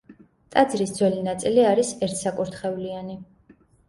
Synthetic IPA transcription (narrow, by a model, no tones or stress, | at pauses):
t̪ʼad̪zɾisd̪zwɛlinat̪sʼiliaɾisɛɾt̪ʰsakʼuɾt̪ʰχɛuliani